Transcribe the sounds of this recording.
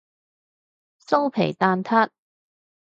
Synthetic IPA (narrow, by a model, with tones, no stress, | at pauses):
so˥wpʰḛ˨˩jt̪aː˧nt̪ʰɐ˥t̚